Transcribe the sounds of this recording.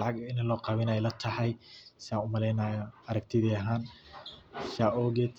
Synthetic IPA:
lɑʕɑɡɐɪnɐlɔːqɑːβɪnajlɐt̪ʰɐħɑjsɪaːŋʊmɐlɛjnaːjɔɐɾɐk̚t̪ʰɪðiːɐɦaːn | ʃaːʔɔɡɛt̪

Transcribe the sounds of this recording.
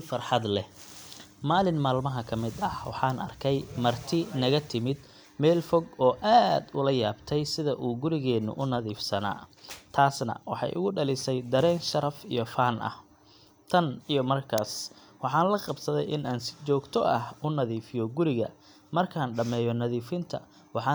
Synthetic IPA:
fɐrħɑd̪lɛ | maːlɪnmaːlmɐɦɐkʰɐmɪd̪ɐhwɑ̰ħɑːnɐ̰rkʰɛjmɐrt̪ʰɪnɐɣɐt̪ʰɪmɪd̪ | mɛːlfɔɡɔːʔaːd̪ʊlɐja̰ːbt̪ʰɛjsɪðɐʔuːɡʊɾɪɣɛːnːʊ̰ʔʊnɐðiːfsɐna̰ːt̪ʰaːsnɐ̰wɑħɑ̰jʔʊ̰ɣʊɖɐlɪsɛjd̪ɐɾɛːnʃɐɾɐfijɔfaːnʔɐ̰h | t̪ʰɐnijɔmɐrkʰaːs | wɑħɑːnlɐqɑbsɐðɛjʔɪnaːnsɪ̥t͡ʃɔːɡt̪ʰɔʔɐhʊnɐðiːfɪjɔɡʊɾɪɣɐ̰ | mɐrkʰaːnɖɐmɛːjɔnɐðiːfɪnt̪ʰɐ̰ | wɑħɑː

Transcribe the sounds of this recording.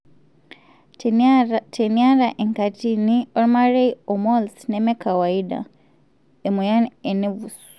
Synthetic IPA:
tʰeniaɾaʔeŋkatinioɾmaɾeiɔmɔlsnemekawaida̰ | emujanenevus

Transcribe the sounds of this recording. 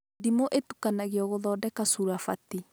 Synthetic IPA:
dimoʔetu̥kanaɣeɔɣoðɔːdɛkasuɾafa̰ti

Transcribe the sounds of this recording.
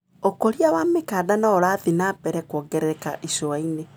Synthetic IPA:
okoɾiawamekaːdanaɔɾaːðinaːbɛɾɛkwɔɡɛɾɛka̰ʔisoaine

